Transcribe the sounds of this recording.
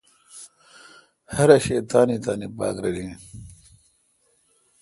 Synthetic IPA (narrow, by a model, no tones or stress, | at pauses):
hɐɾɐɕeːt̪aːnit̪aːnipa̰ːkɾɐdi